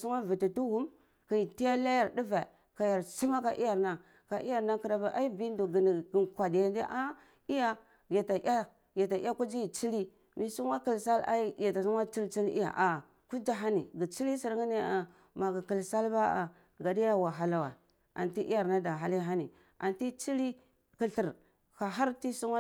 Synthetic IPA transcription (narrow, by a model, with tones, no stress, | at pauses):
su˦ŋa˦vi˨ti˨tu˦wu˦m | ki˨i˨ti˦ja˦la˦ja˨ɾdi˦ve˨ | ka˨ja˨ɾsi˦ma˦ka˨ʔḭ˦ja˨ɾna˦˨ | ka˨ʔi˦ja˨ɾna˦ki˨ɾa˨ba˦ʔa˦i˦bi˦ndu˨ɡi˨n˨ɡi˨nkʷa˨dja˨ndi˦ʔa˦ | i˦ja˦ | ja˨ta˨ʔja˦ | ja˨ta˨˦a˦ku˦d͡ʒi˦i˨t͡ʃi˦li˦ | mi˦su˦ŋwa˦ki˨lsa˦la̰˦i˦ja˨ta˨su˦ŋwa˦t͡ʃi˦lt͡ʃi˦lḭ˦ja̰˨ʔa˨ | ku˦d͡ʒa˦ɦa˦ni˨ɡi˨t͡ʃi˦li˦si˨ɾŋi˦ni˦a˨ | ma˨ɡa˨ki˨lsa˦lba˦a̰˨ | ɡa˨di˦ja˦wa˨ɦa˨la˨wa̰˨ | a̰˨nti˦ʔi˦ja˨ɾna˦da˨ɦa˦li˦ɦa˦ni˨ | a̰˨nti˦t͡ʃi˦li˦ | ki˨ɬi˨ɾ | ka˨ɦa˦ɾti˦su˦ŋa˦